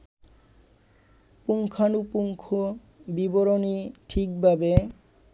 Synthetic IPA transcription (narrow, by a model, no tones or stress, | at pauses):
puŋkʰanupuŋkʰo | biboɾoniʈʰikbʱabe